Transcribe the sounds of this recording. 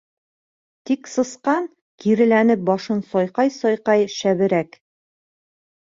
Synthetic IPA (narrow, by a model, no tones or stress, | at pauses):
t̪iksɤ̆sqɑn | kiɾɘ̆lænɘp̚bɒʃɤnsɒjqɑjsɒjqɑjʃæβɘ̆ɾæk